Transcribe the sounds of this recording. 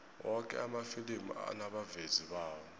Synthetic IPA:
wɔkʼɛ̰amafilim̰a̰naɓaveziɓaːwɔ

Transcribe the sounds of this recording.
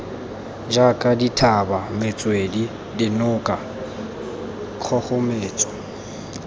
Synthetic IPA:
d͡ʒakʼaditʰabamɪt͡sʼwedi | dɪnʊkʼa | q͡χʰɔχʊmeːt͡sʼɔ

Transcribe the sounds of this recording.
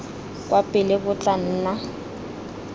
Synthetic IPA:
kʼwapʼɪlɪbʊt͡ɬʼan̩ːna

